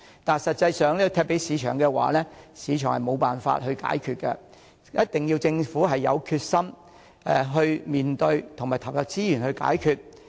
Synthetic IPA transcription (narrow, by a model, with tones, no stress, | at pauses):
t̪aː˨˩nsɐ˨t̚t͡sɐ˧jsœː˨ŋliː˥kɔ˧t̪ʰɛː˧pe˨˥jsiː˨˧t͡ʃʰœː˨˩ŋkɛː˧wa̰ː˨˦lɛː˥siː˨˧t͡ʃʰœː˨˩ŋhɐ˨jmo˨˧wpaː˨nfa̰ː˧t̚ɦɵ˧ɥka̰ː˨˥jkʰyː˧t̚kɛ˧ | jʔɐ˥t̚t̪ɪ˨ŋjiː˧wt͡sɪ˧ŋfuː˨˥ɦɐ˨jːɐ̰˨˧wkʰyː˧t̚sɐ˥m | ɛ˨ɦɵ˧ɥmiː˨˩nt̪ɵ˧ɥt̪ʰʊ˨˩ŋmaː˨˩jt̪ʰɐ˨˩w̚jɐ˨˧t̚t͡siː˥jy˨˩nhɵ˧ɥka̰ː˨˥jkʰyː˧t̚